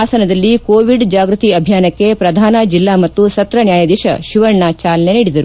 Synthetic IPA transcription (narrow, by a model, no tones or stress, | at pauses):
aːsɐnɐd̪ɐlːikoːʋiɖd͡ʒaːɡɾut̪iɐbʱjaːnɐkːe̞pɾɐd̪ʱaːnɐd͡ʒilːaːmɐt̪ːusɐt̪ɾɐnjaːjɐd̪iʃɐ̰ʃiʋɐɾɳat͡ʃaːlɐneniːɽid̪ɐɾu